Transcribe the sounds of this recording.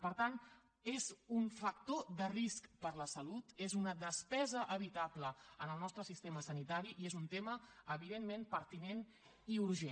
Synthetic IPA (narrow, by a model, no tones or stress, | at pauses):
pəɾt̪an | ezuɱfək̚t̪oðəriskpəɾləsəlut̪ezunəðəspɛzəʔəβ̞it̪abləənəlˠnɔst̪ɾəsist̪eməsənit̪aɾiʔiezunt̪eməəβiðemːẽmpəɾt̪inen | iuɾʒe